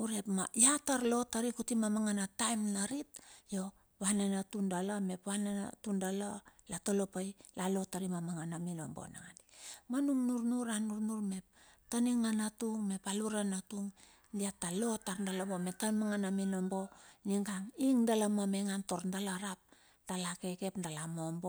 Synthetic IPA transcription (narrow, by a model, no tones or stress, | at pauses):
uɾe̞pmajataɾlo̞taɾikutimamaŋanatajmnaɾitjo̞ | βananatundalame̞pwanan̰tundalalatolo̞pajlalo̞taɾimamaŋanamino̰mbo̰na̰ŋandimanuŋnuɾnuɾanuɾnuɾme̞p̚ | taniŋanatuŋme̞paluɾanatuŋ | diatːalo̞taɾndalabome̞tamaŋanaminombo̞niŋɡaŋiŋdalamomeŋanto̞ɾndalaɾap̚ | d̥alake̞ke̞pndalamombo